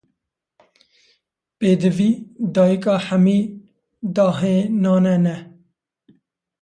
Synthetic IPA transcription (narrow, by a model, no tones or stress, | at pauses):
peːd̪əviːd̪ɑːjikɑːħamiː | d̪ɑːɦẽːnɑːnɛnɛ